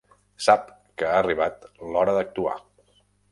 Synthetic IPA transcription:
sap̚ | kəariβ̞at̪lɔɾəðək̚t̪ua̰

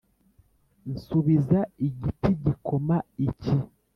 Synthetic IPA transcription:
n̩suβizaiɟitiɟikʰomaici

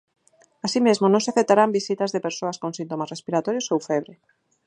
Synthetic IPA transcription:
asimezmonõŋsɪafet̪aɾambisit̪ɐzðepeɾsoaskõŋsint̪omasrespiɾat̪ɔɾjosowfɛβɾe

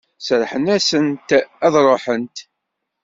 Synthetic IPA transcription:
sɾħənæsənt̪æðɾˤoħənt̪

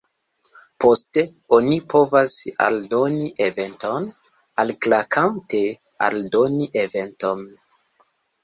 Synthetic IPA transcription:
po̞ste | onipʰo̞vasa̰ldoniʔeve̞nto̞n | alklakʰante | a̰ldo̞niʔeve̞nto̞n

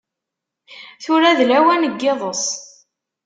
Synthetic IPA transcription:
θʊɾæðlæwænəɡːeðˤəsˤ

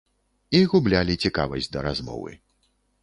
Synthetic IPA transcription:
iɣublʲalʲit͡sʲika̰vɐ̰sʲd͡zʲd̪ɐɾazmɔ̰vɨ̰

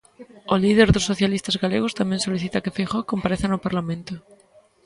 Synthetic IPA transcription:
olið̞eɾðosːoθjalist̪azɣaleɣ̞ost̪amjensoliθit̪akefejxokːompaɾeθanopaɾlamẽnt̪o

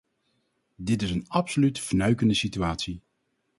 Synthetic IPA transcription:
dɪtɪsənɑpsolytfnœɥkəndəsityaːtsi

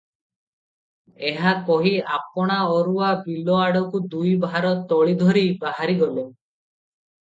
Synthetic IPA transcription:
eɦakɔɦiapɔɽ̃aɔɾuabilɔaɽɔkud̪ujbaɾɔt̪ɔɭid̪ʱɔɾibaɦaɾiɡɔlo

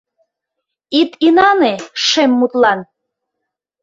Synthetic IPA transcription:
it̪inɑneʃemːut̪lɑn

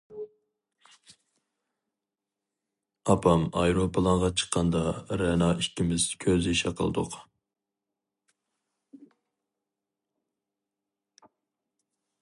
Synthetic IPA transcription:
ɑpʰɑmɑjɾopʰəlˠɑʁɑt͡ʃʰə̥qʰːɑnd̪ɑɾɛnɑːʔikʲːimɪzkʲʰøziʃɛqʰə̰l̰ˠd̪ʊ̰q

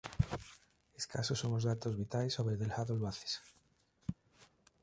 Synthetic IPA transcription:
eskasosomozðat̪o̞zβit̪alesːoβɾeðelhaðoloaθe̥s

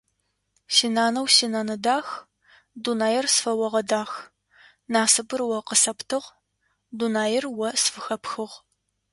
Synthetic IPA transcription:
siːnaːnɐwsinaːnɐdaːx | dunaːjɪrsfɐwɐʁɐdaːx | naːsɨbɨrwɐqəsɐptʰɨʁ | dunaːjɪrwɐsfɨxɐpxɨʁ

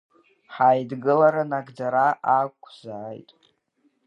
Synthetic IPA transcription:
ħajdɡɨlaɾanaɡd͡zaɾaʔakʷʼʰzaːjtʼ

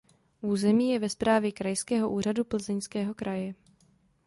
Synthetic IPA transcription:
ʔuːzɛmiːjɛvɛspɾaːvjɛkɾajskɛːɦo̞ʔuːr̝adupl̩zɛɲskɛːɦo̞kɾʔajɛ

